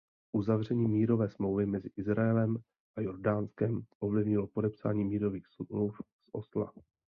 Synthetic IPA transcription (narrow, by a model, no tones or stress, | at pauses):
ʔuzavrɛɲiːmiːɾo̞vɛːsmlowvɪmɛzɪʔɪzɾaɛlɛm | ʔajo̞ɾdaːnskɛmʔo̞vlɪvɲɪlopo̞dɛpsa̰ːɲiːmiːɾo̞viːxsluf | sʔo̞̰sla̰